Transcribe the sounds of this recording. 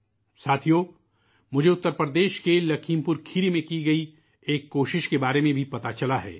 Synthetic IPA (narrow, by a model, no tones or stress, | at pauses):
saːt̪ʰijoː | mʊd͡ʒʱeʊt̪ːəɾpɾəd̪eːʃkelɐkʰiːmpʊɾkʰiɾimẽkiɡɐi | eːkːoːʃɪʃkebaːɾemẽbʱipɐt̪at͡ʃɐlaɦɛ̰ː